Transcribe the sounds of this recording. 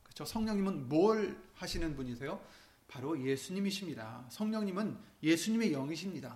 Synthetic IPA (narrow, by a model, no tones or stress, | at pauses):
kɯt͡ɕʰosʰʌŋɲʌŋɲimɯnmoɭhaɕʰinɯnbuɲisʰejo | paɾoje̞sʰuɲimiɕʰimɲida̰sʰʌŋɲʌŋɲimɯnje̞sʰuɲime̞jʌŋiɕʰimɲida